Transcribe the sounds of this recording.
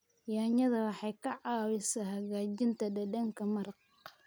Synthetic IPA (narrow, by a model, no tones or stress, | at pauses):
jaɲɐðɐwɑħɑjkɐʕaːwɪsɐhɐɣaːd͡ʒɪnt̪ɐdɐdɐŋkɐmɐɾq